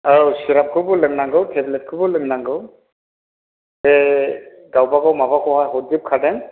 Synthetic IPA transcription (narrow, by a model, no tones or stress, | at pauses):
awsiɾap̚kʰɯbɯlɯŋnaŋɡɯwtʰɛblɛt̚kʰɯbɯlɯŋnaŋɡɯw | ɛ | ɡawbaɡawmabakʰɔɦajɦɔdip̚kʰadɛŋ